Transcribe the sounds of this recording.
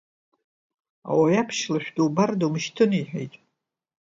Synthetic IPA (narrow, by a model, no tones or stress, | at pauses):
a̰wajapʰʃlaʃʷᶣduwbardomɨʃtʰɨniħᶣḛjtʼ